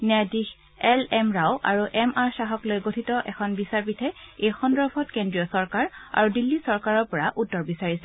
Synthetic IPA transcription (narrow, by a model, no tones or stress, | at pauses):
nɛadix | ɛlɛmɹawʔa̰ɹuʔɛmʔaɹsaɦɔklojɡotʰitɔʔɛkʰɔnbisaɹpitʰɛejxɔndɔpʰɔtkendɹijɔsɔɹkaɹa̰ɹudilːisɔɹkaɹɔɹpɔɹaʔutːɔɹbisaɹisɛ